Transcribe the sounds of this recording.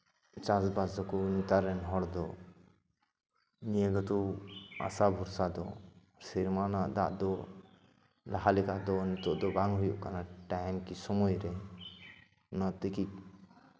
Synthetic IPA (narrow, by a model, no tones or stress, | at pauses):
t͡ʃasbasd̪ɔkɔnit̪aɾɛnɦɔɽd̪ɔ | nijeɡɔt̪ua̰sabʱuɾsad̪ɔ | siɾmanaʔd̪a̰ʔd̪ɔ | laɦalikaʔd̪ɔnit̪ɔʔd̪ɔbaŋɦujṵʔkanaʈamkisɔmɔjɾɛ | nɔt̪ikik̚